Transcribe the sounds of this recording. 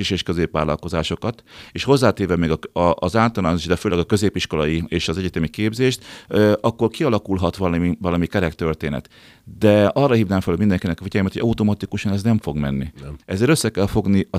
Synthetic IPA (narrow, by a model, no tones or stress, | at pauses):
iʃeːʃkøzeːpʋa̰ːlɒ̰lko̞zaːʃo̞kɒt̪eːʃho̞zːaːt̪eːɾvɛmɛːɡɒɒːzaːt̪ɒlaːnoʃd̪ɛføːlɛɡɒkø̞zeːpiʃko̞lɒjieːʃɒzɛɟɛt̪ɛmikeːbzeːʃt̪ɒkːo̞rkiɒlɒkulɦɒt̪ʋɒlivɒlɒmikɛɾɛkt̪ørt̪eːnɛ̰t̪ | d̪ɛɒrːɒɦiːvnaːŋfɛlømind̪ɛŋkinɛkɒfiɟɛljmɛt̪hoɟɒut̪omɒt̪ikuʃɒnɛznɛɱfo̞ɡmɛ̰nːiɛzeːɾøsːɛkɛlfo̞ɡniɒ